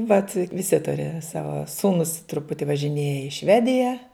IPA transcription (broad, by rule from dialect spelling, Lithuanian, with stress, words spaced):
ʋɐt ʋʲɪˈsʲɪ ˈtʊrʲɪ ˈsɑːʋɐ ˈsuːnʊs trʊˈpʊtʲɪ ʋɐʒʲɪˈnʲeːjɛ ɪ ˈʃʲʋʲæːdʲɪjɛ